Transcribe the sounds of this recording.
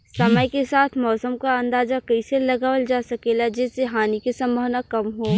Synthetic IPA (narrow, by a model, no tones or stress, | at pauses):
sɐməjkesaːt̪ʰmɔːsəmkaɐ̃nd̪aːzakɐiselɐɡaːʋəld͡ʒaːsɐkelad͡ʒɪːseɦaːnikesɐ̃mbʱəʋnakɐmɦoː